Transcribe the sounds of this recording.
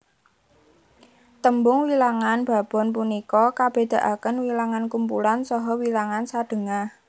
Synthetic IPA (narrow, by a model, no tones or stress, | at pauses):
t̪əmbʊŋwilaŋanb̥ä̤b̥ɔ̤np̬unikɔkab̥e̤d̪̥a̤ʔakənwilaŋankumpṵlansɔɦɔwilaŋansad̥ə̤ŋah